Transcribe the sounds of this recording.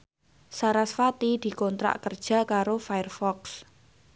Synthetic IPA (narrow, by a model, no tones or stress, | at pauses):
saɾasfat̪id̪̥i̤kɔnt̪ɾa̰ʔkərd̥ʒ̥a̤kaɾofajərfɔks